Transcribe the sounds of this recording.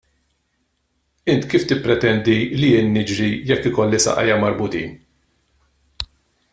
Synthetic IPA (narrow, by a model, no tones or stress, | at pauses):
ɪnt̪kiːft̪ɪpːɾɛt̪ɛnd̪ilijɪːnːɪd͡ʒɾijɛkːɪkɔlːɪsɐ̰ʔɐ̰jːɐmɐɾbʊt̪ḭːn